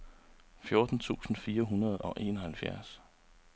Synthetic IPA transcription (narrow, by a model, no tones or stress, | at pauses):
fjo̝ɐd̥n̩t͡sʰṵːsn̩fiːɐɦunɐð̞ˠɒ̽ʔe̝̰ːnɒhælfjæɐs